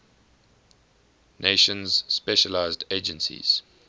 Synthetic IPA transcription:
nʔeɪʃə̃nz̥spɛʃəlaɪzded͡ʒə̃nsḭz̥

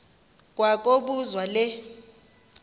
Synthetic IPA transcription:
k̬ʼwak̬ʼoɓuzwalɛ

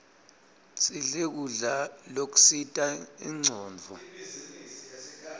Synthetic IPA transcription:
siɮek̬uɮalok̬u̥sitʼaiŋ͡ǀʱɔːnd͡vʱɔ

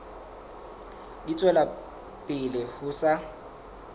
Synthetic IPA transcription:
dit͡sʼwɛla | pʼɪlɪhʊsa

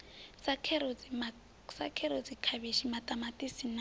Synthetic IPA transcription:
sakʰɛɾoma | sa̰kʰɛɾod͡zikʰaβiʃimatʼamatʼisina

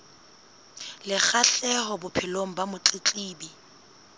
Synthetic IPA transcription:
lɪk͡xaɬɛhɔbʊpʰɪloŋ̩bamʊt͡ɬʼɪt͡ɬʼiːbi

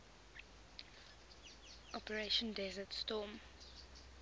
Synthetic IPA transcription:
ʔɔpəɹeʃə̃ndɛzətstɔːm

